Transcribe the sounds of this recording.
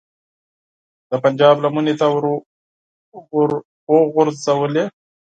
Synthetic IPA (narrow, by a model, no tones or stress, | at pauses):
d̪̥əpand͡ʒɑblamunet̪awɾ | oɣʊɾzawəle